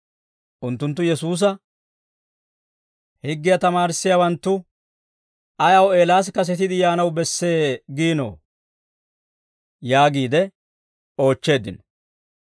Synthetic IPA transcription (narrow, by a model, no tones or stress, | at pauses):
ʔʊnt̪ːʊnt̪ːʊjɛsuːs̬ɐ | hɪɡːɪjat̪ɐmaːɾɪsːɪjawɐnt̪ːʊ | ʔɐjɐwe̞ːlaːs̬kɐs̬ɛt̪ɪd̪ɪjaːnɐwbɛsːe̞ːɡiːno̰ː | jaːɡiːd̪ɛ | o̞ːt͡ʃːe̞ːd̪ɪnɔ